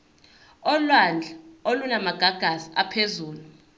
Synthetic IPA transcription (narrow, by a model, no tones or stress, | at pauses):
ɔlwand͡ɮʱaolunamaɡ̥ʱaɡ̥ʱaziapʰezuːlu